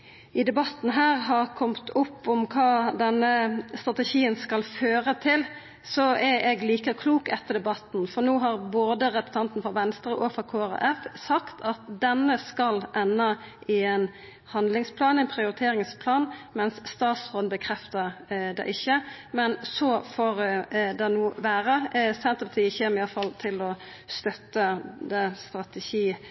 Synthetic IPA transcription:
ɪd̪ɛbɑt̪n̩ɦæːʁɦɑʁkʰɔmt̪ʰʊpːɔmkʰɑːd̪ɛnːəst̪ɾʁɑt̪ɛʃiːənskɑlføːɾət̪ʰɪl | sɔɛɛɡliːkəkʰluːkɛt̪ːəʁd̪ɛbɑt̪n̩fɔʁnoːɦɑʁboːd̪əɾɛpə̥st̪ɑnt̪n̩fɔɾʋɛnst̪ɾəʔɔfɔɾkʰoːɑʁɑ̰ɛfsɑkt̪ʰɑt̪̚d̪ɛnːəskɑlʔɛnːɑʔɪɛn | hɑnd̪lɪŋspʰlɑːnɪɛnpʰɾɪʊɾɪt̪ʰeːɾɪŋspʰlɑːnmɛnsːt̪ɑːt̪sfɔːnbəkʰɾɛft̪əʁd̪ɛ̰ʔɪçːəmɛnsɔfoːɾd̪ɛnuːʋæːɾəsɛnt̪əpɑt̪ʰiːəçɛːmɪjɑlfɑlt̪ʰɪlɔ | st̪œt̪ːəd̪ɛst̪ʁɑt̪ɛʃiː

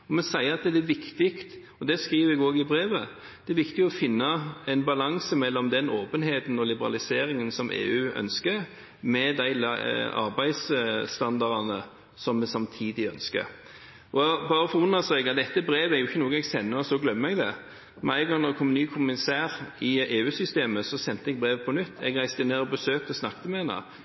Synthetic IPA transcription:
ɔmɛnsæɪəɑt̪̚d̪ɛɛʋɪkt̪ɪkt̪ | ɔd̪ɛskiːʋəɛɡoːɡɪbɾeːʋə | d̪̥ɛɛɾʋɪkt̪ɪɡɔfɪnːɑɛnbɑlɑŋsəmɛlːɔmd̪ɛnoːpənɦeːt̪n̩ɔlɪbəɾɑ̰lɪseːɾɪŋənsɔmʔḛːʉːœ̰nskəɾ | mɛd̪æɪlɑ̰ɾbæɪd̪sst̪ɑnd̪ɑʁɑnə | sɔmːɛsɑmt̪ʰiːd̪ɪœnskə̰ɾ | ʔɔbɑːʁəfɔʊnəsæɪɡɑt̪̚d̪ɛt̪ːəbɾeːʋəæɾjʊɪçːənoːɡəɛɡsɛnːəsɔɡlœmːəɛɡd̪ɛ | mɛæɪɡɔŋnɔɛkʰɔmnyːkʰʊmɪsæːʁɪeːʉːsʏst̪eːməsɔsɛnt̪əɛɡ̚bʁeːʋəpʰɔnʉt̪ːɛ̰ɡʁæɪsd̪əneːʁɔbəsøːk̚t̪əsnɑkt̪əmɛɛnɑ̰

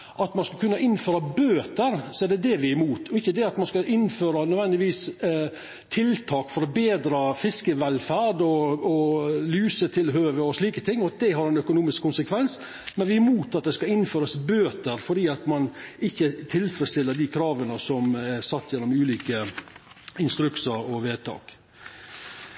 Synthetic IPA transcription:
ʔɑt̪mɑnskɑlkʰʉnːɑʔɪnːføːɾɑbøːt̪əɾsɔæɖɛd̪ɛʋɪæmuːt̪ʰɔɪçːəd̪ɛɑt̪mɑnskɑʔɪnføːɾɑnœd̪ʋɛnd̪ɪʋiːs | t̪ʰɪlt̪ʰɑːkfɔɾɔbeːd̪ɾɑfɪskəʋɛlfæɾɖɔɔlyːsət̪ʰɪlɦøːʋəɔsliːkət̪ʰɪŋːɔd̪ɛɦɑɾɛnœkʊnuːmɪskʰːʊnsəkʰʋɛns | mɛnʋɪæmuːt̪ɑt̪̚d̪ɛskɑɪnføːɾəsbøːt̪əɾfɔɖiːɑt̪mɑnɪçːət̪ʰɪlfɾɛst̪ɪlːəɖ̪ikʰɾɑːʋənəsɔmɛsɑt̪ːjɛnːɔmʉːliːkə | ɪnst̪ɾʉksəɾɔʋeːt̪ʰɑ̰ːk

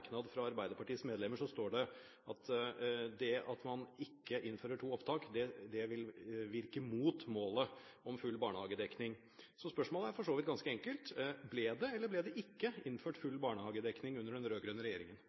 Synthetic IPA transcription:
knɑd̪fɾɑɑɾbæɪd̪əɾpʰɑʈiːəsmeːd̪lɛmːəʂɔst̪oːɖɛ | ɑt̪ʰd̪ɛɑt̪mɑnɪkːəʔɪnːføːɾəʈʰuːɔpt̪ʰɑːkd̪ɛd̪ɛʋɪlʋɪɾkəmuːt̪moːləɔmfʉlːbɑːɳəhɑːɡəd̪ɛknɪŋ | sɔspœʂmoːləæɾfɔʂoːʋɪt̪̚ɡɑnskəɛŋkəlt̪blɛd̪ɛɛlːəblɛːd̪ɛʔɪkːəɪnføːʈfʉlːbɑːɳəhɑːɡəd̪ɛknɪŋʉnːəɖɛnɾøːɡɾœːnəɾɛjeːɾɪŋən

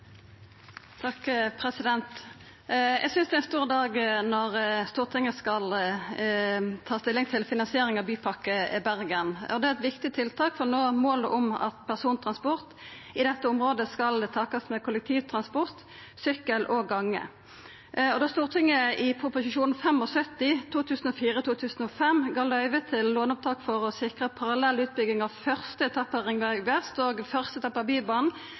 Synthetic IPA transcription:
t̪ʰɑkpʰɾɛsɪd̪ɛnt̪ | jɛ̰ɡsʏnsd̪ɛænst̪uːʁəd̪ɑːɡnɔʁst̪uːʁt̪ʰɪŋːəskɑl | t̪ʰɑːst̪ɪlːɪŋt̪ʰɪlfɪnɑnsɪeːɾɪŋɑʋbyːpʰɑkːəɪbæʁɡənɔd̪ɛæɛt̪ʋɪkt̪ɪt̪ʰɪlt̪ʰɑːkfɔʁnoːmoːləʔʊmɑ̰t̪pʰæʁsuːnt̪ʰɾɑnspʊʁt̪ | ɪd̪ɛt̪ːəʊmʁoːd̪əskɑlɛt̪ʰɑːkɑsmɛkʰʊlɛkt̪ʰiːʋt̪ʰʁɑnspɔʁt̪ | sʏkːəlʔɔɡɑŋːə̰ | ɔd̪oːst̪uːʁt̪ʰɪŋːəɪpʰʊpʊsɪʃuːnn̩fɛmɔsœt̪ːɪt̪ʰuːt̪ʰʉːsn̩ɔfiːɾət̪uːt̪ʰʉːsn̩ɔfɛmɡɑlœʏʋət̪ʰɪlːoːnʊp̚t̪ʰɑːkfɔʁɔsɪkʁəpʰɑʁɑlɛlʉːt̪̚bʏɡɪŋɑʋfœʁst̪əɛt̪ʰɑpːəʁɪŋʋæɡʋɛst̪oːɡfœʁst̪ət̪ʰɑpːɑbiːbɑːnn̩

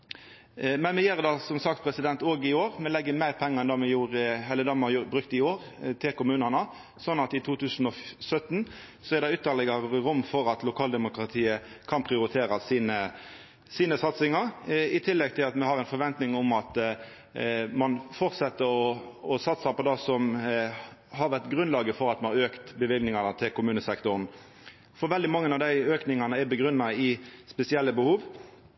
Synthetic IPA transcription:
mɛnmɛjeːʁd̪ɑsɔmsɑk̚t̪̚pʰɾɛsɪd̪ɛnt̪oːɡɪoːʁmɛlɛɡːəmæɪʁpʰɛŋːəɛnd̪ɑmɛjuːɾɦɛlːəd̪ɑmɑjbɾʉk̚t̪ɪoːʁ | t̪ʰɪlkʊmʉːnənə | sɔnːɑt̪ɪt̪ʰuːt̪ʰʉːsnɔsœt̪n | sɔɛɾd̪ɛʉːt̪ːəlɛɡɑɾəɾʊmːfɔɾɑt̪lʊkʰɑːld̪ɛmʊkɾɑt̪ʰiːəkʰɑnpʰʁɪʊɾɪt̪ʰeːɾɑsiːnə | siːnəsɑt̪sɪŋɑɾɪt̪ʰɪlːɛɡ̚t̪ʰɪlɑt̪mɛhɑɾɛɪnfɔɾʋɛnt̪nɪŋʊmɑt̪ | mɑnfɔʁt̪sɛt̪ːəɾɔɔsɑt̪səɾpʰɔd̪ɑsɔm | hɑɾʋæʁt̪ɡɾʉnlɑːɡəfɔɾɑt̪mɑnɑʁøːkt̪bəʋɪlɡnɪŋɑnət̪ʰɪlkʊmʉːnəsɛkt̪ʊɾn | fɔɾʋɛld̪ɪmɑŋːənɑʋd̪æɪøːknɪŋɑnəæɾbəɡɾʉnːɑɪspɛsɪɛlːəbəhuːʋ

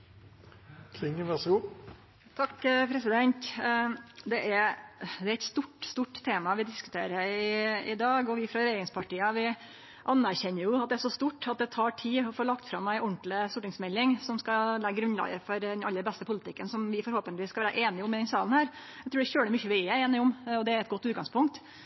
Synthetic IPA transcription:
kʰlɪŋəʋɛsɡʊ | t̪ʰɑkːpʰɾɛsɪd̪ɛnt̪ | d̪ɛʔæɾd̪ɛæɾɛt̪st̪uʈst̪uːʈt̪ʰːeːmɑʋɪd̪ɪskʉ̥t̪ʰeːɾəɪɪd̪ɑːɡɔʋɪfɾɑɾɛjeːɾɪŋspʰɑʈiːəʋɪ | ʔɑnːæɾçɛnːəɾjʊɑt̪̚d̪ɛæʂɔst̪uʈːɑt̪̚d̪ɛt̪ʰɑːʈʰiːɔfoːlɑkt̪fɾɑmːæɪʔɔɳt̪lɪst̪ʊʈːɪŋsmɛlːɪŋsɔmskɑlæɡɡɾʉnlɑ̰ːɡəfɔɾd̪ɛnɑlːəɾbɛst̪əpʊlɪt̪ʰɪkːənsɔmʋɪfɔɾhoːpənʋɪskɑʋæːɾə̰ʔeːnɪʊmːɛd̪ɛnsɑːlən̩hæːɾ | æɪt̪ɾʉːɖɛçøːəmʏçːəʋɪɛeːnɪʊmɔd̪ɛæɾɛt̪ɡɔt̪ːʉːt̪̚ɡɑŋspʰʊŋk̚t̪

